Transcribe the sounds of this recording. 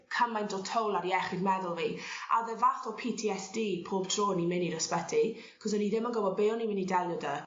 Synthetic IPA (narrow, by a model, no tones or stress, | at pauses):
kʰamajndɔtʰowlˠaɾiɛχɪdmɛðʊlˠviːa̰ðɛvaθɔpʰitʰiɛsd̥iːpʰoːb̥tʰr̥oːnimɪniɾəspɛtʰi | kʰɔsəniðɪmənɡɔbɔd̚beːɔnimɪnidɛlˠjɔdə